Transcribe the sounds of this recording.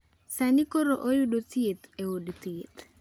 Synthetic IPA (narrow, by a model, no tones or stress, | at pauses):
sanikoɾoʔojudot̪ɪt̪eodt̪ɪt̪